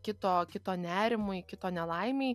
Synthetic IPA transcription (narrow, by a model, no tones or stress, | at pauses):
kʲɪt̪oːkʲɪt̪oːnʲæːɾʲɪmʊjkʲɪt̪oːnʲɛlˠɐɪmʲeː